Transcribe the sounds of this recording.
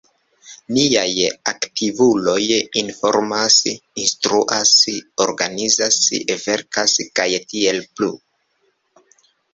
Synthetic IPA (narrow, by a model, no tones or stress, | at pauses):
niajaktivulo̞jinfo̞ɾmasinstɾuʔaso̞ɾɡanizasve̞ɾkaskajtie̞lplu